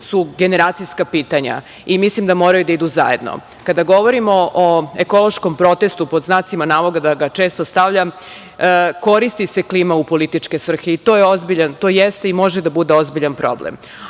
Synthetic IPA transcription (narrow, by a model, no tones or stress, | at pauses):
suɡe̞ne̞ɾaːt̪sijskapiːt̪aɲa̰ | imislimd̪amo̞ːɾajud̪aid̪uza̰je̞d̪no̰ | kad̪aɡo̞ʋo̞ɾimo̞ʔoeko̞lˠo̞ʃko̞mpɾo̞t̪e̞st̪upo̞d̪znaːt̪simanaːʋo̞ɡad̪aɡat͡ʃe̞ːst̪o̞st̪aʋʎam | ko̞ɾist̪ise̞kliːmaupo̞lit̪it͡ʃke̞sʋr̩xeit̪ojeozbiʎant̪o̞ːjest̪eimo̞ʒed̪abud̪e̞o̞zbiʎanpɾo̞̰blḛm